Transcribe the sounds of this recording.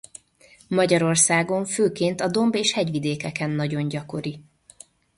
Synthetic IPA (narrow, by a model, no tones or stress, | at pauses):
mɒɟɒɾo̞rsaːɡo̞ɱføːkeːnt̪ɒd̪o̞mbeːʃhɛɟʋid̪eːkɛkɛnːɒɟo̞ɲɟɒko̞ɾi